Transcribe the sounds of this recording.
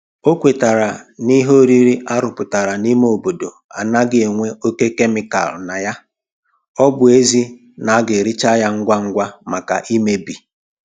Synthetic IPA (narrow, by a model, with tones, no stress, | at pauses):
o˦kʷe˨ta˨ɾa˨ni˦ɦo˦ɾi˦ɾi˦ʔa˦ɾʊ˨pʊ˨ta˨ɾa˨ni˦me˦o˨bo˨do˨a̰˨na˦ɡɪ˦e˨ŋʷe˦o˦ke˦ke˦mɪ˨ka̰˨lna˨ja˦ | ɔ˦bʊ˨e˦zi˦ | na˨a˦ɡɪ˨ɾi˦t͡ʃa˦ja˦ŋ̩˦ɡʷa˦ŋ̩˦ɡʷa˦ma˨ka̰˨ʔi˦me˦bi˨